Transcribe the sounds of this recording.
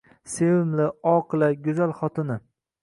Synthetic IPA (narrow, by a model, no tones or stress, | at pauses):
sewɪmlɪɒqʰɨlˠaɡʲʊzalχɒt̪ʰɪnɪ